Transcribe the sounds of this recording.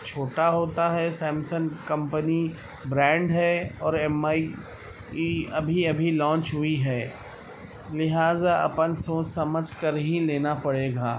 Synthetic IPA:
t͡ʃʰoːʈaɦoːt̪aɦɛsɛːmsənkɐ̃mpəni | bɾɛ̃ːɳɖɦɛɔːɾɛmaːi | iɐbʱiɐbʱilɔ̃ːnt͡ʃɦʊiɦɛː | lɪɦaːzaʔɐ̰pənsoːt͡ʃsɐməd͡ʒʱkəɾɦĩleːnapɐɽeːɡaː

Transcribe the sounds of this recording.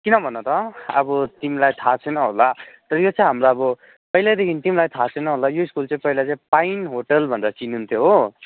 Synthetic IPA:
kinʌbʱʌnːot̪ʌʌbʌt̪imilajt̪ʰat͡sʰʌjnʌɦolat̪ʌɾʌjot͡sʰʌ̃j̃ɦamraʌbʌ | pʌjlajd̪ekʰinit̪imlajt̪ʰat͡sʰʌjnʌɦolajoiskult͡sãj̃pʌilat͡saĩpajinɦoʈʌlbʱʌndʌt͡sinunt̪ʰjoɦo

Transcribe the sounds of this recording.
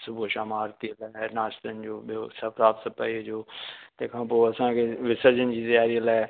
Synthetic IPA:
sʊbʱuʃaːmaːɾt̪ilaːnaːʃt̪ənɪ̆d͡ʑoːɓijosɐpɾaːpsəpɐid͡ʑoːt̪ɐ̃ːkʰãːpoːɐsãkʰeʋɪsəɾd͡ʑənɪ̆d͡ʑiːzɐjaːɾiəlaːɪ

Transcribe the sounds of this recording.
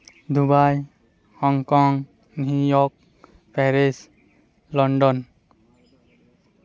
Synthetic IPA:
d̪ubaj | hɔŋkɔŋ | nujɔk̚ | pʰɛɾes | lɔɳɖɔn

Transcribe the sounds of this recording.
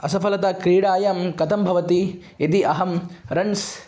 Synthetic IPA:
ɐsɐfɐlɐt̪ɐkɾiːɽaːjɐmkɐt̪ɐmbʱɐʋɐt̪i | et̪iʔɐɦɐmɾɐns

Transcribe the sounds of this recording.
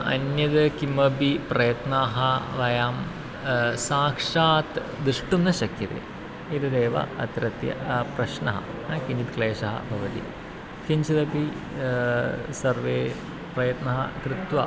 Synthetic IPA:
ɐ̰njɐd̪kimɐbiprɐjɐt̪naːɦɐʋɐjaːm | saːkʂaːt̪ | d̪ɨʂʈunːɐɕɐkʰjɐt̪ḛː | iɾɐd̪eːʋɐ̰ɐt̪ɾɐt̪jɐ̰prɐʃnɐ̰ɦɐ̰ | kiɲd͡ʒit̪kleːʂɐɦɐ̰bʱɐʋɐt̪ḭ | kiɲt͡ʃid̪ɐpi | sɐrʋeː | prɐjɐt̪nɐɦɐ̰kɾɨt̪wʋɐ

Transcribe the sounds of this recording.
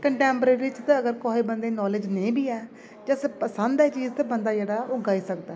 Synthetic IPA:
kəɳʈɛ̃ːmpɾeːɾit͡ʃt̪ãəɡəɾkoːiːbənd̪eːnɔːlɪd͡ʒnəĩːbiːɛː | d͡ʒɛspəsənd̪ɛːt͡ʃiːzt̪aːbənd̪aːd͡ʒɛːɽaːʊɡaːiːsəkd̪aː

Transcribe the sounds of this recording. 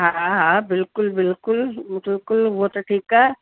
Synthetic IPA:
ɦãɦãbɪlkʊlbɪlkʊlbɪlkʊlbot̪ʈʰiːka

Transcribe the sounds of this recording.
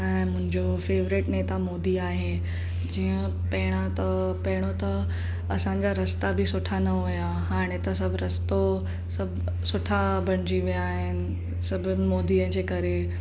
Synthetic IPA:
ɛ̃ːmʊ̃ɦɪ̃ɲd͡ʑofeːʋɾɪʈneːt̪amoːd̪iaːɦe | d͡ʑiːə̃ | pɐɦɪɽ̃at̪ɐpɐɦɪɽ̃ot̪ɐ | ɐsãɲd͡ʑaɾɐst̪abɪsʊʈʰanɐɦuja | ɦaːɽ̃et̪ɐsɐbʱɾɐst̪o | sɐbʱ | sʊʈʰabʱɐɽ̃ɪd͡ʑiʋijaːɦɪnɪ̆ | sɐbʱʊmoːd̪iə̃ɦd͡ʑeːkɐɾe

